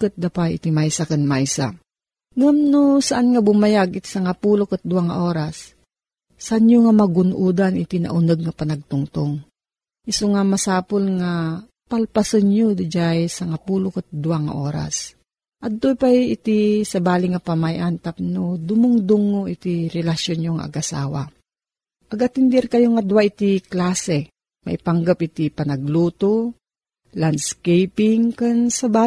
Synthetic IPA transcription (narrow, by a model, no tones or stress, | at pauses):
kɨt̪̚d̪apajʔɪt̪imajsakɨnmajsa̰ | ŋamnosaʔanŋabʊmajaɡɪt̪i̥sɐŋɐpuːlokɨt̪̚d̪ʊaŋaʔoːɾasː | aʔanjoŋamɐɡʊnʔuːd̪anɪt̪inɐ̰ʔʊnəɡ̚ŋɐpɐnɐɡ̚t̪ʊŋt̪oŋ | ʔɪsoŋamɐsaːpolŋa | palpasɨnɲod̪d͡ʒajsɐŋɐpuːlokɨt̪̚d̪ʊaŋɐ̰ʔoːɾa̰s | ʔɐd̪̚t̪ːopajɪt̪isɐbaːlɪŋɐpɐmajʔant̪ap̚nod̪ʊmʊŋd̪uŋːoʔit̪iɾɛlɐʃjonɲoŋa̰ʔɐ̰ɡʔɐsa̰ːwa̰ | ʔɐɡɐt̪ɪnd̪ɛɾkɐjoŋɐd̪uwaʔit̪iklaːsɛ | mɐ̰ʔɪpɐŋɡapʔɪt̪ipɐnɐɡluːt̪o | land̪skɛjpɪŋkansɐbaː